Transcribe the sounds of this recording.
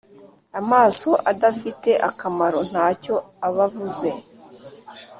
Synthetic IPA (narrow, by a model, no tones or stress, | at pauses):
amaːso̞ʔadafite̞ʔakamaɾo̞n̥haːco̞ | aβavuze̞